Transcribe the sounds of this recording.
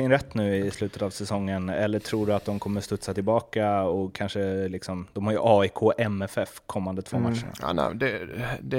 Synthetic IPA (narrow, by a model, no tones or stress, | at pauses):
ɪnɾɛt̪ːnʉ̟ːɪslʉ̟ːt̪ət̪avsɛsɔŋːənɛ̰lːəʈʰɾuːɖɵat̪̚d̪ɔmkʰɔmːəst̪ɵt̪sat̪ɪlbɑːkaɔkʰanʂəlɪksɔmd̪ɔmhaɾjɵ̰ʔɑːɪkʰoːʔɛmɛfɛfkʰɔmːand̪ət̪v̥o̰ːmaʂəɳa̰a̰ːnɛ̰d̪ɛd̪ɛ